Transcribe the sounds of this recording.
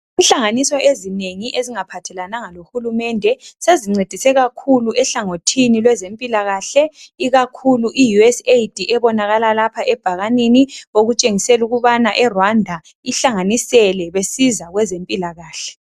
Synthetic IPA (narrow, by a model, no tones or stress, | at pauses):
inɬaŋanisɔezineŋiʔeziŋapʰatʰɛlanaŋalohulumɛndʱɛseziŋ͡ǀed̥ʱisɛɣakʰuluʔɛɬaŋotʰinilwɛzempʼilaɣaːɬɛiɣakʰuluʔijuɛsejd̥ʱiʔɛβɔnaɣalalapʰaʔɛb̥ʱaɣaniniɣoɣut͡ʃʼeŋisɛluɣuβanaʔɛrwandʱa | iɬaŋanisɛlɛβesizaɣwɛzempʼilaɣaːɬɛ̥